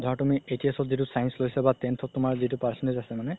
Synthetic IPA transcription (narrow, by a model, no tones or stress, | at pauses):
dʱɔatumietiasɔzitʊsajnslojsɛbatentʰɔt̚ːʊmaɹzitupaɹsɔnezasɛmanɛ